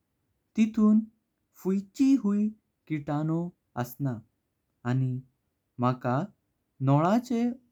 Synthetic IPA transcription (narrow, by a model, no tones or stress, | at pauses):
t̪it̪ʰuːn | fujt͡ɕiɦui | kiʈanɔ | əsnaː | ni | m̤aka | nɔɭ̃ãt͡se